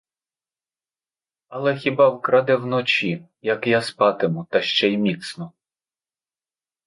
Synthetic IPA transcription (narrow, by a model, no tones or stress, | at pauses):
ɐlˠɛxʲibɑwkɾɑd̪ɛwnɔt͡ʃi | jɐkjaspɑt̪ɪmʊt̪ɐʃt͡ʃɛjmʲit̪snɔ